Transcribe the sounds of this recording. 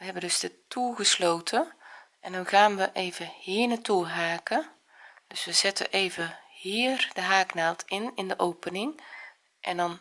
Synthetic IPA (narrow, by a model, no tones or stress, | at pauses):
ʋəɦɛbəndɵzdətuɣəslowtʰəʔɛndɔnɣaːnʋəʔejvəhiːnatuɦaːkə | d̥øsʋəz̥ɪtə̰ʔejvəhiːrdəɦaːknaːlˠtʰɪnɪndəʔowpənɪŋ | ʔɛndɔn